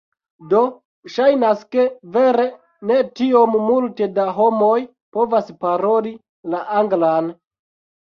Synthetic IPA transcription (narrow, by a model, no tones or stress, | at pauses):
do̞ | ʃajnaske̞ve̞ɾe̞ | ne̞tio̞mːulte̞daɦo̞mo̞j | po̞vaspaɾo̞li | laʔaŋɡlan